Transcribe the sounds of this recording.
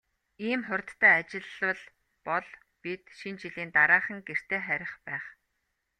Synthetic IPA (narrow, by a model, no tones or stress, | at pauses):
iːmχʊrʲt̪ːæːat͡ɕɪ̆ɮə̆ɮ | pɔɮ | pit̪ʃint͡ɕiɮiːnt̪aɾaːχə̆ŋɡer̥t̪ʰeːχæɾʲɪ̆χpæːχ